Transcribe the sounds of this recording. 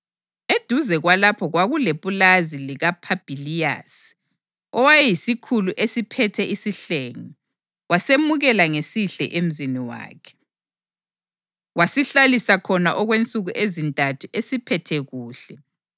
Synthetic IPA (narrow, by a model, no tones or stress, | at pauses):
ed̥ʱuzɛɣwalapʰɔɣwaɣulepʼulaziliɣapʰab̥ʱilija̰s | ɔwajɛjisikʰuluʔesipʰɛtʰɛisiɬeːŋɔ | wʔasemuɣɛlaŋesiɬɛ̰ʔem̩ziniwa̰ːkʰɛ̥ | wasiɬalisakʰɔna̰ʔɔɣwent͡sʼuɣuʔezintʼatʰuesipʰɛtʰɛɣuːɬɛ